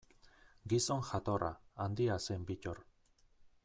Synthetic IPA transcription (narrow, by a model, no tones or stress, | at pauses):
ɡisoŋxat̪ora̰and̪iasembicoɾ